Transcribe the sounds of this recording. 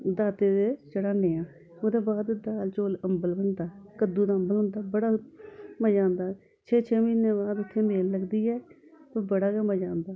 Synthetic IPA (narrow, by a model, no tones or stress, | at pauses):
d̪aːt̪eːd̪eːt͡ʃəɽaːneːãː | od̪eːbaːd̪d̪aːlt͡ʃoːləmbəlbənd̪aːkəd̪uːd̪aːəmbəlɦʊ̃nd̪aːbəɽaːməd͡ʒãːnd̪aː | t͡ʃʰɛːt͡ʃʰɛːmiːneːbaːd̪ʊt̪ʰːeːmeːlːəɡd̪iːɛːt̪eːbəɽaːkeməd͡ʒãːnd̪aː